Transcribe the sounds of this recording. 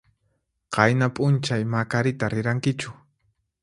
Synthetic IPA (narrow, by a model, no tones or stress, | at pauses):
qɑjnapʼʊnt͡ʃajmakaɾɪt̪aɾɪɾaŋkɪt͡ʃʊ̥